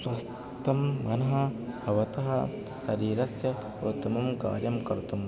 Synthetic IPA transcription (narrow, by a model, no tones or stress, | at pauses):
swɐs | t̪ɐmːɐnɐɦɐbɐʋɐt̪ɐɦɐ | sɐɾiːɾɐsjɐ | ot̪ːɐmɐmka̰ːɾjɐmkɐɾt̪um